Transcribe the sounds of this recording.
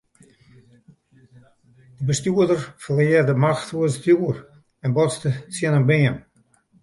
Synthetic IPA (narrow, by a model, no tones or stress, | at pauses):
dəbəstuədərfəleːərdəmaxtuəstjuər | ɛnbɔsdət͡siənənbeəm